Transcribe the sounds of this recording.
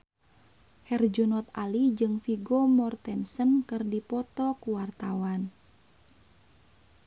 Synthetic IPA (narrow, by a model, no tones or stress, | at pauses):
hɛrd͡ʒunɔt̪̚alid͡ʒɨŋfiɡɔmɔrt̪ɛnsənkɨrdipɔt̪ɔkuwart̪awan